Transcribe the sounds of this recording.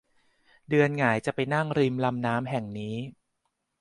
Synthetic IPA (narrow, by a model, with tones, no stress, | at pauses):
dɯ˧ənŋaː˩˦jt͡ɕa˨˩ʔpa˧jna˥˩ŋɾi˧mla˧mnaː˦˥mɦɛ˨˩ŋniː˦˥